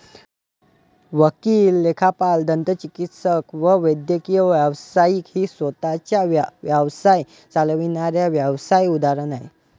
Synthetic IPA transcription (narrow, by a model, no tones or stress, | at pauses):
ʋəkiːlːekʰapald̪ənt̪ət͡ɕikit̪səkʋəʋəjd̪jəkijəʋjaʋsajiːkhiːsʋət̪at͡ɕjaʋʋjəʋsaj | t͡salʋinaɾjaʋjaʋsajud̪aɾənaḭ